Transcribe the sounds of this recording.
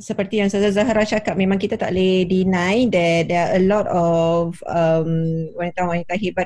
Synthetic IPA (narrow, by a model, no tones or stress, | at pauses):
səpərt̪ijaŋsəzazaɦaɾaht͡ʃakat̚mẽmãŋkit̪at̪a̰ʔledinãjdɛt̚dɛaʔəlɔtɔfəmwanit̪awanit̪aɦibat